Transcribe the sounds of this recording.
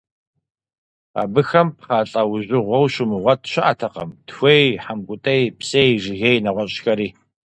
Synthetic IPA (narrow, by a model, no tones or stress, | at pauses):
a̰ːbɨxɐmpχaːɬʼɐwʊʑʷɪʁʷɔwɕʊmɨʁʷɐtʰɕɪʔatʰɐqɐ̰mtxʷejħamɡʷʼʊtʼɐjpsejʒɪɣejnɐʁʷɔɕʼxɐɾiː